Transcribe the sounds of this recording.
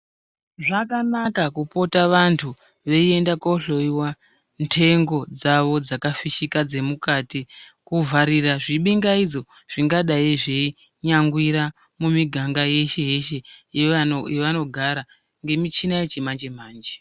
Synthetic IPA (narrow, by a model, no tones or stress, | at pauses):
ʐakanakakupo̞taʋantʰu | ʋe̞ie̞ndakoɬo̞iwa | ntʰe̞ŋɡo̞d͡zaʋo̞d͡zakafiʃikad͡ze̞mukatikuvʱaɾiraʐiɓiŋɡaid͡zo̞ | ʐ̥iŋɡaɗaiʐei | ɲaŋɡwiɾa | mumiɡʱaŋɡaje̞ʃe̞je̞ʃe̞jejeʋano̞ɡʱaɾa | ŋɡe̞mit͡ʃinaje̞t͡ʃemand͡ʒe̞maːnd͡ʒe̥